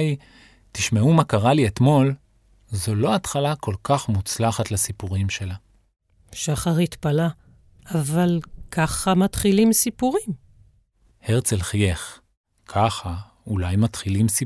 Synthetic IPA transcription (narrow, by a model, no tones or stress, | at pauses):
j | t̪iʃmeumakaʁaliet̪mo̞l | zolo̞at̪χalakʰo̞lkʰaχmut͡slaχat̪lasipuʁimʃe̞la | ʃaχaʁhit̪pala | avalkʰaχamat̪χilimsipuʁim | heʁt͡selχjeχ | kʰaχa | ulajmat̪χilimsi